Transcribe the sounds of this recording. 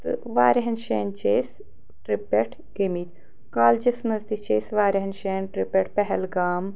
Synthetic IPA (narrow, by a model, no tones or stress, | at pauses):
t̪ɨ̰ʋaːɾeɦɐnʃeːnt͡ʃeːs | ʈɾipːeʈʰ | ɡemit̪ʲ | kaːld͡ʒɐsnɐzd̪it͡ʃeːsʋaːɾɐɦɐnʃeːnʈɾipeʈpɛɦɛlɡaːm